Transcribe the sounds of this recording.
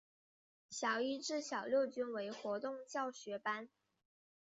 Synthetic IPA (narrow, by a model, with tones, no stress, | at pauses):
ɕjɑ˨˩ʊi˥ʈ͡ʂɻ̩˥˩ɕjɑ˨˩ʊljo˥˩ʊt͡ɕy˥nwe˧˥ɪxwɔ˧˥t̪ʊ˥˧ŋt͡ɕjɑ˥˩ʊɕɥɛ˧˥pa˥n